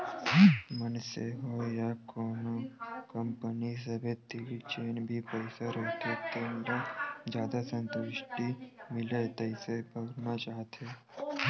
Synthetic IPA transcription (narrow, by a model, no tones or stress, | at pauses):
mənseɦojakoːnokəmpənis̬əbʱet̪iʋit͡ʃeːnbʱipəɪsaɾɦot̪et̪eːmlad͡ʒjaːd̪asə̃nt̪ʊʃʈimɪlet̪əɪsebəɡɾnat͡ʃaːɦt̪ʰe